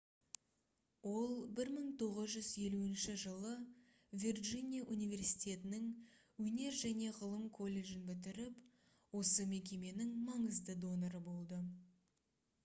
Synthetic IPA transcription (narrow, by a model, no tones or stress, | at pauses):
wo̞lˠbɪɾməɴt̪ʰo̞ʁəzʒʏzje̞luɪnʃɪʒəlˠə | vʲirʒinʲijaʔunijvʲe̞rsi̥t̪ʲe̞t̪ɪnɪŋ | wɵne̞ɾʒæne̞ʁəlˠəmkʰo̞lʲːe̞ʒɪnbɪt̪̬ɪɾɪp | wo̞səme̞k̬ʲe̞me̞nɪŋmɑɴəzd̪əd̪o̞noɾəbo̞lˠd̪ə